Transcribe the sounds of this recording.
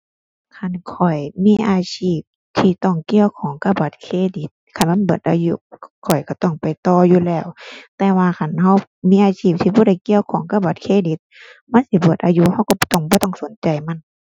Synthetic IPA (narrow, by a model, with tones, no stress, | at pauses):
kʰa˧˩˨nkʰɔ˨˩jmiː˧˥˨ʔaː˧sʰiː˧˩p̚ | t̪ʰiː˧˩t̪ɔ˧˩ŋki˧˨əwkʰɔː˨˦ŋka˧˩ba˨˩˦t̪̚kʰeː˧˨di˧˦t̪̚kʰa˧˩˨nma˧˥˨nbɯː˨˩ət̪ʔa̰ː˧ju˧˥kʰɔ˨˩jka˧˩t̪ɔ˧˩ŋpa˨jt̪ɔː˧juː˧˨lɛː˧˩˨wt̪ɛː˧waː˧kʰa˧˩nha˧˩˨wmiː˧˥˨ʔaː˧siː˧˩p̚t̪ʰiː˧bɔː˧˦ɾa˧˩jki˧˨əwkʰɔː˨˦ŋka˧˥˨ba˨˧˦t̪̚kʰeː˧˨di˧˦t̪̚ma˧˥˨nsi˧˦bɯ˨˩t̪̚ʔaː˧ju˧ha˧˥wkɔ˧˩˧t̪ɔ˧˩ŋbɔː˧t̪ɔ˧˩˨ŋso˨˦nt͡ɕa˨jma˧˥˨n